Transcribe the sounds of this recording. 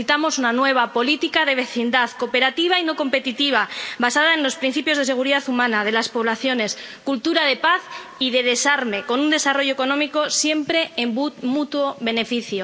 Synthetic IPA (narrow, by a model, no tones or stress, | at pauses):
it̪amo̞sunanwe̞β̞apo̞lit̪ikaðe̞β̞e̞θind̪aθko̞pe̞ɾat̪iβ̞aino̞ko̞mpe̞t̪it̪iβ̞aβasaðaenlo̞spɾin̟θipjo̞zð̞e̞se̞ɣ̞uɾiðaθumãnað̞e̞laspo̞β̞laθjo̞ne̞skult̪uɾaðe̞paθ | iðe̞ð̞e̞saɾme̞ko̞nund̪e̞saro̞ʝoeko̞nõ̞miko̞sje̞mpɾe̞ːmmut̪woβe̞ne̞fiθjo